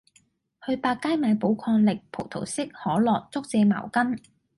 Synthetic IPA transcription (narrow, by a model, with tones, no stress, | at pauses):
hɵ˧ɥpaː˧kːaː˥jmaː˨˧jpo˨˥wkʰɔː˧ŋlɪ˨k̚pʰo˨˩wt̪ʰo̰˨˩wsɪ˥k̚hɔː˨˥lɔː˨˩k̚t͡sʊ˥k̚t͡sɛː˧ma̰ː˨˩wkɐ˥n